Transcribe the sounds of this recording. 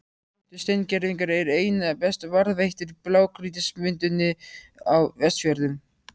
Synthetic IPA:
t̪ʏst̪ejncɛɾðiŋkaɾɛɾeːjnapɛst̪vaɾðvejht̪ɪɾplaːwkɾiːt̪ɪsmʏnt̪ʏnːɪawvɛst̪fjœɾðʏm

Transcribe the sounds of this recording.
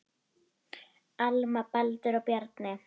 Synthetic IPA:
almapald̪əɾɔbjard̪nɛ

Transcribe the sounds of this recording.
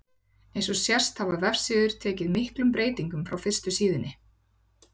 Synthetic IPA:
ejnsɔsjɛr̥st̪havaðvɛfsɪːðʏɾ̥t̪ʰɛːcɪðmɪhklʏmpɾeːjt̪iŋkʏmfɾawfɪr̥st̪ʏsiːðɪnːɪ

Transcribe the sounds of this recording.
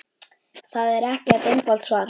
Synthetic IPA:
θaðɛɾɛhcɛt̪ejnfal̥t̪svaːɾ

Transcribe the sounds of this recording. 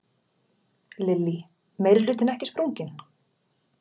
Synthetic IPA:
lɪlːi | mejɾɪɾlʏːt̪ɪnɛhcɪspɾowɲcɪn

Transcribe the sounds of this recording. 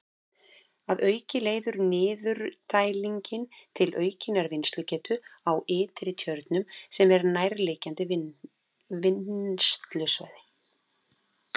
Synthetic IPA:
aðœːɥcɪleːjðʏɾnɪːðʏɾt̪aːjliɲcɪnt̪ʰɪlʔœːɥcɪnaɾvɪnst̪lʏcɛːt̪ʰʏawɪːt̪ɪɾɪt̪ʰjœɾt̪nʏmsɛmɛɾnajɾlɪːcant̪ɪv | vɪnst̪lʏsva̰ːjðɪ

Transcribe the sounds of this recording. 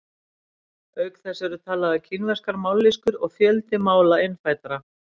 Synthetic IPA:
œɥkθɛsɛɾʏt̪ʰaːlaðacʰinvɛr̥skaɾmawlːiskʏɾɔɣfjœlt̪ɪmaːwlaejnfaːjt̪aɾa

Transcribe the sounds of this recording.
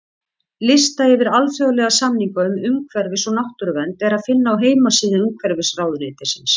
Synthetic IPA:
lɪst̪aɪvɪɾalfjɔɣʏlɛɣasamniŋkaʏmʏmkʰvɛɾvɪsɔnaht̪ʏɾvɛnt̪ɛɾaðfɪnːaawɦeːjmasiːðɪnumkʰvɛɾvɪsraːwðʏnɪːt̪ɪsɪns

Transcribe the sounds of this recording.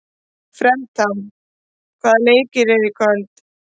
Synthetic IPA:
fɾɛmt̪ʰam | kʰvaːðaleːjcɪɾeðɪkʰœlt̪

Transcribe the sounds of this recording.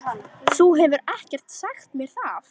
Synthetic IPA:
θuɦɛvʏɾɛhcɛr̥t̪saxt̪mjɛɾ̥θaf

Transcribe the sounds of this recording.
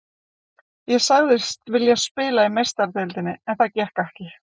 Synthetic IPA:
jɛsaɣðɪst̪vɪljɛspɪːlaimejst̪aɾt̪ɛlt̪ɪnːɪɛnθacɛhkɛhcɪ

